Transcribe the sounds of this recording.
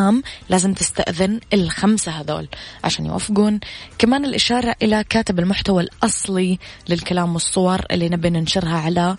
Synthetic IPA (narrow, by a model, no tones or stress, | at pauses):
aːmlʔaːzɪmt̪ɪst̪a̰ʔðɪnɪlxamsaɦad̪o̰ːlʕa̰ʃa̰ːnj̰wa̰fːɪɡuːnkamaːnɪlʔɪʃɑːɾˤɑʔɪlakaːt̪ɪbalmʊħt̪awalʔɑsˤlilɪlkalaːmwɨsˤːʊwɑɾˤʔɪ̰lːinabːinɪnʃɪɾhaʕala